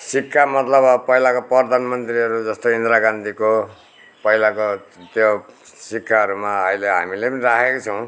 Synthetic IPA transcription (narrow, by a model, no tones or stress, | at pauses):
sikːamʌt̪lʌbʌpʌɦilakoprʌrd̪ʱanmʌnt̪riʌɾud͡zʌst̪oind̪ɾaɡand̪iko | pʌilakot̪josikːaɦʌɾumaʌjleɦa̰milepʌniɾakʰekot͡sʰʌw̃